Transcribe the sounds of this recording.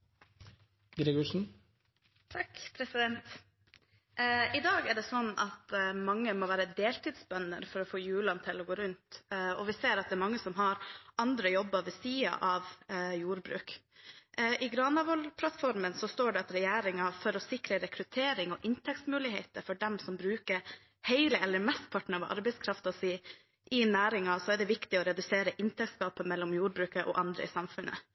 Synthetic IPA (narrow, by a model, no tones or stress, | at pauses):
ɡɾiɡɔʂn̩ | t̪ʰɑkpʰɾɛsɪd̪ɛnt̪ | ɪd̪ɑːɡɛɖɛsɔnːɑt̪mɑŋːəmɔʋæːɾəd̪eːlt̪iːd̪sbœnːə̰ɾfɔɾɔfoːjʉːɭɑnt̪ʰɪlɔɡoːɾʉnt̪ɔʋɪseːɾɑt̪̚d̪ɛːɾmɑŋːəsɔmɦɑɾɑnd̪ɾəjɔbːɑʋɛsiːɑ̰ʔɑʋjuːɾbɾʉ̰ːk | ʔɪɡɾɑːnɑʋɔlpʰlɑt̪fɔɾmənsɔst̪oːɖɛɑt̪ɾɛjæːɾɪŋɑfɔɾɔsɪkɾəɾɛkɾʉt̪ʰeːɾɪŋɔʔɪnt̪ʰɛkt̪smʉːlɪheːt̪əfɔɖɛmsɔmbɾʉːkəɾ | hæɪləɛlːəɾmɛst̪̚pʰɑʈɳ̩əʋ̰ʔɑ̰ɾbɛɪskʰɾɑft̪ɑsiː | ʔɪnæːɾɪŋɑsɔɛɖɛʋɪkt̪ɪɔɾɛd̪ʉseːɾəʔɪnt̪ʰɛk̪̚skɑːpəmɛlːɔmjuːɾbɾʉːkəʔɔ̰ʔɑnd̪ɾə̰ɪsɑmfʉnʔə̰